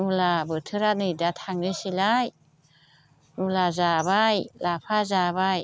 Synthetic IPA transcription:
nulabɯt̪ʰɯɾanɯjdat̪ʰaŋɯsilaj | nulazabajlapʰazaβaj

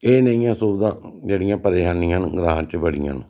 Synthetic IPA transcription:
eːnəĩjãːsʊbd̪ãːd͡ʒeːɽɪjãːpəɾeːʃaːnijãːnɡɾãːt͡ʃəbəɽḭjã̰ːn

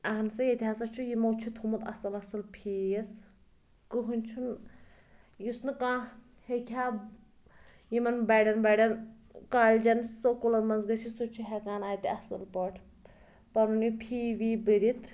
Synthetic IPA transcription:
ɐɦɐnsɐjet̪ʲiɦasɐt͡ʃʰujimowt͡ʃʰit̪ʰhumut̪ɐ̰sɐlɐsɐlpʰiːjɐs | kɨɦunʲt͡ʃʰun | jisnɨkãː | hekʲʰaː | jimɐnbɐɖɐnbɐɖʲɐn | kaːlʲd͡ʒɐnsokulɐnmɐnzɡɐsisot͡ʃʰuɦɛkaːnaːjt̪iɐsɨlpɐʈʰ | pɐnunipʰiːʋiːbɨɾit̪

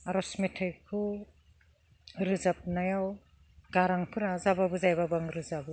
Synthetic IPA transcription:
aɾɔsmetʰɯjkʰu | ɾɯzap̚najaw | ɡaɾaŋpʰɯɾazababɯzajbabaŋɾɯzabɯ

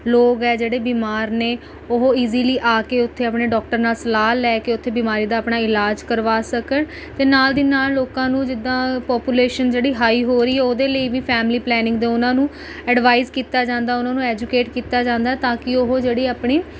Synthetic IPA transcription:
loːɡɛːd͡ʒeːɽeːbiːmaːɾneː | ʊɦoːiːziːliːʔaːkeːʊt̪ʰːeːəpɳeːɖɔːk̚ʈəɾnaːlsəlaːlːɛːkeːʊt̪ʰːeːbiːmaːɾiːd̪aːəpɳaːɪlaːd͡ʒkəɾʋaːsəkəɳ | t̪eːnaːld̪iːnaːlːoːkãːnũːd͡ʒɪd̪ːãːpɔːpjuːleːʃənd͡ʒeːɽiːɦaːiːɦoːɾiːɦɛːoːd̪eːləiːʋiːpʰɛːmliːplɛːnɪ̃ŋɡd̪eːʊnãːnũː | ɛɖʋaːɪzkiːt̪aːd͡ʒãːnd̪aːʊnãːnũːɛːd͡ʒukeːʈkiːt̪aːd͡ʒãːnd̪aːɛːt̪ãːkɪoɦoːd͡ʒeːɽiːaːpɳiː

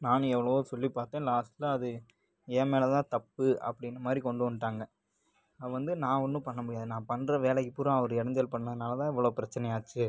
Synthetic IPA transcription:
naːnɯ̃ɛʋːɐɭɐʋosɔlːipaːɾt̪ẽːlaːsʈlɐɐðɯ | eːmeːlɐt̪ãːt̪ɐpːɯɐ̰pːɐɽɪnːɐmaːd̪ɾikɔɳɖɯʋɐnɯʈaːŋɡɐ | ɐʋɐnd̪ɯnãːɔnːɯpɐɳːɐmʊɽɪjaːðɯnãːpɐnɾɐʋeːlɐpːɯɾɐ̃ɐʋɔɾɯɛɽɐnd̪ɪɐlpɐɳːɐðɯnaːlɐt̪ãːɛʋːɐɭoːpɪɾɐt͡ʃːɐnɛjaːt͡ʃːɯ

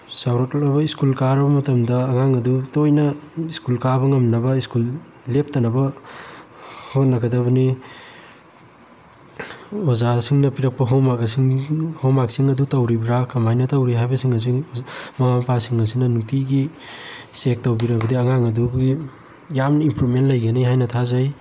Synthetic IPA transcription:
sawɾot̚lɐbɐiskulkaɾɐbɐmɐtɐmdɐɐŋaŋɐdutojnɐiskulkabɐŋɐmnɐbɐiskulː | ep̚ʰtɐnɐbɐ | hot̚nɐɡɐdɐbɐni | ozasiŋnɐpiɾɐk̚pɐɦowmakɐsiŋhomaksiŋɐdutɐwɾibiɾakʰɐmajnɐtɐwɾiɦajbɐsiŋɐs̬imɐmapasiŋɐs̬inɐnuktiɡi | sek̚tɐwbiɾɐbɐdiɐŋaŋɐduɡi | jamnɐimpɾumentlɐjɡɐniɦajnɐtʰazaj

